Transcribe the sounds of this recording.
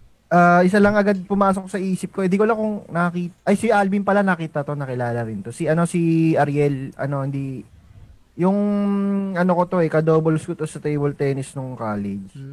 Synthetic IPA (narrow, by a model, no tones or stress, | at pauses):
ʔaːʔɪs̬alɐŋɐɡad̪̚pʊmaːsok̚sɐʔiːsɪp̚ko̞ɪnd̪ikolɐkʊŋnɐkɐkiːt̪ʔɐjsiʔalbinpɐlanɐɐkiːt̪ɐt̪o̞nɐkɪlaːlɐɾɪnt̪o̞siʔɐno̞siʔɐɾjɛlɐ̰no̞hɪnd̪i | jʊŋ | ʔɐnoko̞t̪o̞ʔɛkɐd̪oːbolskot̪o̞sɐt̪ejbɛlt̪ɛnɪsnʊŋkaːlɛd͡ʒ